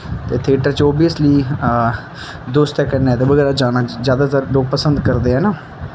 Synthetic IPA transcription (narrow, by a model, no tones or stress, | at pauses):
t̪eːt̪ʰeːʈəɾt͡ʃɔːbijəsliː | d̪oːst̪ɛːkəɾnɛːt̪eːʋəɡɛːɾaːd͡ʒaːnaːzjaːd̪aːt̪əɾɖoːpəsənd̪kəɾd̪eːɦɛːnaː